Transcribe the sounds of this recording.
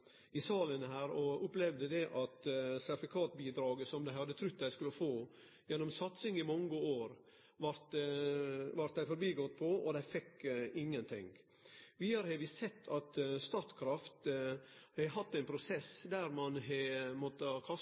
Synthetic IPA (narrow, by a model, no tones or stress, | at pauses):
ɪsɑːlənhæːɾɔʊplɛʋd̪əd̪ɛʔɑt̪sæɾfɪkʰɑːt̪biːd̪ɾɑːɡəsɔmd̪æɪhɑd̪ːət̪ʰɾʉt̪̚ːd̪æɪskʉləfoː | jɛnːɔmsɑt̪sɪŋɪmɑŋːəoːɾ | ʋɑɾt̪ | ʋɑɾt̪d̪æɪfɔɾbiːɡɔt̪ːpʰɔɔ̰d̪æɪfɛkːɪŋːənt̪ʰɪ̰ŋ | ʋɪɑɾhɛʋɪssɛt̪ːɑt̪st̪ɑːt̪kʰɾɑft̪ | æhɑt̪ːæɪnpʰɾʊsɛsd̪æɾmɑnɦɛmɔt̪ːəkʰɑ